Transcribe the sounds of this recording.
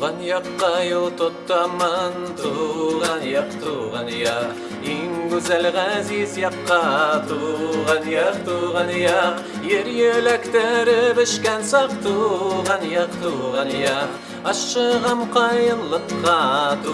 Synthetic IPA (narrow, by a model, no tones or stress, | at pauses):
ʁɑnjɑqːɑjolˠt̪ʰot̪ːɑmɑnt̪ʰuʁɑnjɑqt̪ʰuʁɑnjɑq | eŋɡʉzælʁæzizjɑqːɑt̪ʰuʁɑnjɑqt̪ʰuʁɑnjɑq | jeɾjelækt̪æɾɪbɪʃkʲænsɑqt̪ʰuʁɑnjɑqt̪ʰuʁɑnjɑ | ɑʃːəʁɑmqʰɑjənlˠəqːɑt̪ʰ